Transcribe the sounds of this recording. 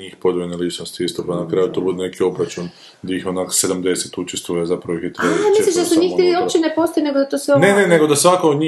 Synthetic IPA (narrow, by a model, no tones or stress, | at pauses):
iːxpo̞d̪ojenalit͡ʃnost̪iist̪opanakɾajut̪obud̪ene̞kio̞bɾat͡ʃun | d̪aixonakse̞d̪amd̪e̞set̪ut͡ʃest̪ʋujezapɾaʋoixjet̪ɾebamieliʃd̪asuɲiːxt̪iiopt͡ʃenepo̞st̪ojeneɡod̪at̪osenenene̞ɡod̪asʋakood̪ɲi